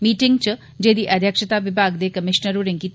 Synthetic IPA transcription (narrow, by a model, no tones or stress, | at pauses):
miːʈɪŋɡ̚t͡ʃ | d͡ʒeːd̪iʔɐd̪ʱjəkʃət̪aʋɪbʱaːɡd̪eːkɐmɪʃnəɾuɾẽŋkit̪